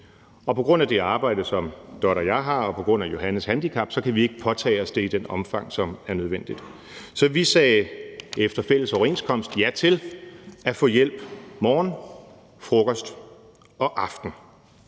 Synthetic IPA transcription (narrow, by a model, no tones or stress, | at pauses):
ɒ̽pʰɒ̽ɡ̥ʁɔ̽n̰æd̥e̝ɑ̈ːb̥ɑ̈ɪ̰d̥əsɒ̽md̥ɒɾɐjɑ̈ɪɦɑ̈ɒ̽pʰɒ̽ɡ̥ʁɔ̽n̰æjo̝ɦænəshænd̥ikʰɑ̈b̥sɒ̽kʰæʋie̝ɡ̥əpʰɒ̽t͡sʰɛ̰ːɒsd̥e̝id̥enɒ̽mfɑ̈ŋ̰sɒ̽mæɐnøð̞ˠʋen̰d̥id̥ | sɒ̽ʋisɛːefd̥ɐfel̰əsɒʊɐe̝nskʰɒ̽m̰sd̥jæt͡sʰe̝læfɔ̽ːjel̰b̥mɒːn | fʁɔɡ̥ɒsd̥ | ɒ̽ʔɑ̈fd̥n̩